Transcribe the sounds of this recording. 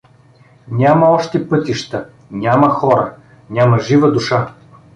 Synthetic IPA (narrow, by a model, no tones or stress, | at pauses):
nʲamɐɔʃt̪ɛpɤt̪iʃt̪ə | nʲamɐxɔɾə̰ | nʲamɐʒivəd̪uʃa